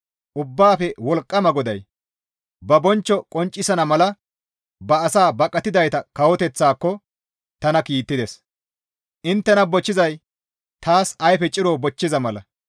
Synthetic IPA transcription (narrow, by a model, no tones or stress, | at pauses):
ʔʊbːaːfɛwɔlkʼːɐmɐɡɔd̪ɐj | bɐbɔnt͡ʃːɔkʼɔnt͡ʃʼːɪsɐnɐmɐlɐ | bɐːsaːbɐkʼːɐt̪ɪd̪ɐjt̪ɐkɐwɔt̪ɛt͡sːaːkːɔ | t̪ɐnɐkiːt̪ːɪd̪ɛs | ʔɪnt̪ːɛnɐbɔt͡ʃːɪzɐj | t̪aːsɐjfɛt͡ʃʼɪɾoːbɔt͡ʃːɪzɐmɐlɐ̰